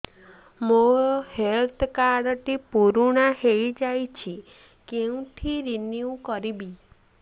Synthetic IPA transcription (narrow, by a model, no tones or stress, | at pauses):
mohelt̪ʰkaɾɔʈipuɾuɽ̃ahejd͡ʒajt͡ʃʰi | keũʈʰiɾiniukɔɾibi